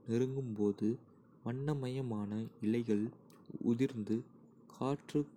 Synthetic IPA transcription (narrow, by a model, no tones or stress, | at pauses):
nɛɾɯŋɡɯmpoːðɯ | mɐɳːɐmɐjɐmaːnɐɪlɐɪɣɐɭ | ʊ̰ðɪɾnd̪ɯ | kʰaːʈrɯ